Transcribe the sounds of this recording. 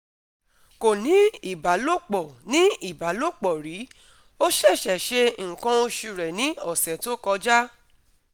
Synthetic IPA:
ko˨nĩ˨˦i˦˨ba˨˦lo˦˨k͡pɔ˨nĩ˦i˦˨ba˨˦lo˦˨k͡pɔ˨ɾi˨˦ | o˦ʃɛ˦˨ʃɛ˨ʃe˧ŋ̩˨kã˧o˧ʃu˧ɾɛ˨nĩ˨˦ɔ˦˨sɛ˨to˦kɔ˧d͡ʒa˦

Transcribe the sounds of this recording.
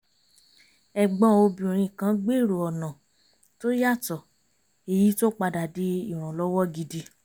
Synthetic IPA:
ɛ˨ɡ͡bɔ̃˧˦o˧bĩ˨ɾ̃ĩ˧˨kã˧˦ɡ͡be˦˨ɾo˨ɔ˨nã˨ | to˦ja˦˨tɔ˨ | e˧ji˦to˦k͡pa˧da˨di˨˦i˦˨ɾ̃ũ˨lɔ˦wɔ˦ɡi˧di˧

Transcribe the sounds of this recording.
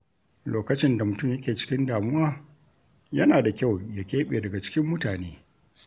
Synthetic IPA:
loː˨kɐ˦t͡ʃɪ˦nda˨mʊ˨tʊ˦˨mjɐ˦kʲeː˨t͡ʃɪ̥˦kʲɪ˦ndaː˨mʊ˦waː˦ | jɐ˦naː˨da˨kʲa˦˨wja˨kʲeː˦ɓeː˨dɐ˨ɡa˨t͡ʃɪ̥˦kʲɪ˦mːʊ˦taː˨neː˦

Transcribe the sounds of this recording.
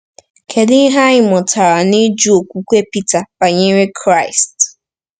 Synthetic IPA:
kʰe˨dɪ˦ɦa˦ɲɪ˦˨mɔ˨tʰa˨ɾa˨ni˦d͡ʒu˦o˨kʷu˦kʷe˦pi˦ta˨ba˨ɲe˦ɾe˦kʰɾa˦˨ɪ˨st

